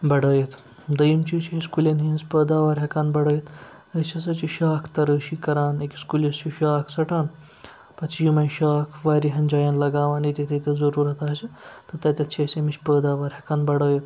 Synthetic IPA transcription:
bɐɽəːjet̪ | d̪ɐjimt͡ʃit͡ʃʰeskulenɦinspəːd̪aːʋaːɾɦɐkaːnbɐɽəjet̪ | ət͡ʃʰɐsɐt͡ʃiʃaːkʰt̪ɐɾəːʃiːkɐɾaːnekʲiskuːljest͡ʃiʃaːkʰsɐʈaːn | pɐt͡ʃʰjimɐjʃaːkʰʋaːɾiɦɐnʲd͡ʒaːjɐnlɐɡaːʋanit̪ʲet̪ʰet̪ʲezɐɾuːɾɐt̪aːt͡ʃet̪ɐt̪ɐt̪ʲɐt̪t͡ʃʰesemiʃpəːd̪aːʋaːɾɦɐkaːnbɐɽəːjet̪

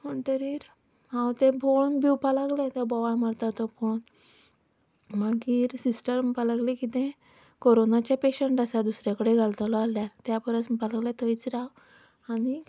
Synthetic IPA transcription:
məɳʈəɾiːɾ | ɦãwt̪ẽbʱoɭnbiwpalaɡlɛ̃t̪ɛbɔʋaɭməɽt̪at̪ɔbon | məɡiːɾsisʈəɾmpaləɡlekit̪ɛ̃ | koɾonat͡ɕjapeɕəɳʈasad̪usɾjakəɽeɡʱalt̪alɔaljaɾt̪japəɾəspaləɡlɛ̃t̪əit͡sɾaw | aɽi

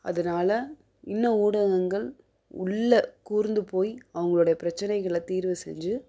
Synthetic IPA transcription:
ɐðɐnaːlɐ | ɪnːɐuːɽɐɣɐŋɡɐɭ | ʊ̰ɭːɐkuːɾnd̪ɯpoːjɐʋɐŋɡɐɭɯɽɐjɐpɪɾɐt͡ʃːɐnɐɪɣɐɭɐt̪iːɾʋɯsɛ̰ɲd͡ʒɯ

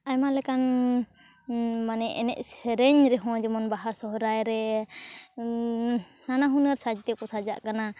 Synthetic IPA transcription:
ajmalɛkan | manɛʔɛnɛʔsɛɾɛɲɾɛɦɔ̃d͡ʒɔmɔnbaɦasɔɦɔɾajɾɛ | nanaɦunəɾsad͡ʒt̪ɛkɔsad͡ʒa̰ʔkana

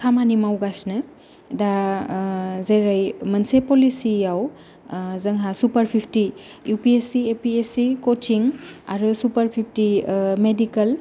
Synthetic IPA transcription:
kʰamanimawɡasnɯ | da | zeɾajmɐnsepɔlisijaw | zɐŋɦasupɐɾpʰipʰtijupiesiepiesikot͡ʃiŋa̰ɾusupɐɾpʰip̚ʰtimedikɐl

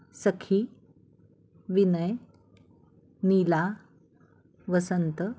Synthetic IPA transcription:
səkʰiː | ʋinəj | niːla | ʋəsənt̪ə

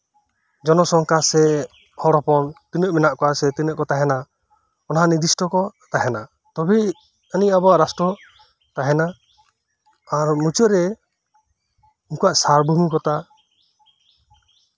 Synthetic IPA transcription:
d͡ʒɔnɔsɔŋkasɛ | hɔɽɔpɔnt̪inəʔmɛnaʔkɔasɛt̪inəʔkɔt̪aɦɛna | ɔnɦanid̪isʈɔkɔt̪aɦɛna | t̪ɔbɛ | əniabɔaʔɾasʈɔ | t̪aɦɛna | ɾmut͡ʃəɾɛ | inkuwaʔsaɾbumukɔt̪a

